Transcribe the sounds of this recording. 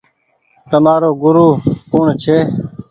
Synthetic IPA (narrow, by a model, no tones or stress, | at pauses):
t̪əmaːɾoːɡʊɾuːkʊɳt͡ʃʰeː